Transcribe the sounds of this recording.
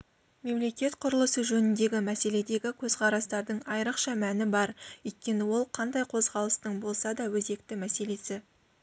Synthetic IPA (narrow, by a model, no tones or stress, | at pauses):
me̞mle̞kʲe̞t̪qʰʊɾəlˠəsəʒɵnɪnd̪e̞ɡʲɪmæse̞le̞d̪e̞ɡʲɪkʲʰɵz̥qʰɑɾɑst̪ɑɾd̪əɴɑjɾəqʃɑmænɪbɑɾɵjt̪̚kʲe̞nɪwo̞lˠqʰɑnd̪ɑjqʰo̞zʁɑlˠəst̪əɴbo̞lˠsɑd̪ɑwɵze̞k̚t̪ɪmæse̞le̞sɪ